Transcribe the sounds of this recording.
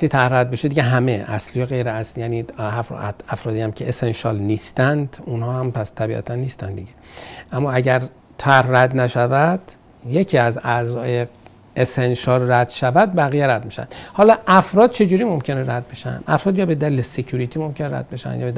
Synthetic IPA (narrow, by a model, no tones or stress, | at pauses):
æxt̪it̪ʰæɾhræd̪̚be̞ʃed̪iɟeɦæmeʔæ̰slijeɣejɾeæslijæːniːhæfɾ̰æfɾɒːd̪ijæmcʰeʔesenʃɒlniːst̪ænd̪unhɒːhæmpʰæst̪ʰæbḭʔæ̰t̪ʰænːiːst̪ænd̪iɟeʔæmːɒæɟæɾ | t̪ʰæɾhræd̪næʃævæd̪̥ | je̞cʰiːæzæzɒːje | esenʃɒːlræd̪̥ʃævæd̪̚bæɣijeɾæd̪miʃæ̰nd̪̥hɒːlɒːʔæfɾɒːd̪̚t͡ʃʰe̞d͡ʒuːɾiːmo̞mcʰe̞neɾæd̪̚be̞ʃæ̰nd̪̥ʔæ̰fɾɒːd̪jɒːbe̞d̪ælilesecʰuɾit̪ʰimo̞mcʰe̞neɾæ̰d̪̥̚be̞ʃæ̰njɒ̰ːbed̪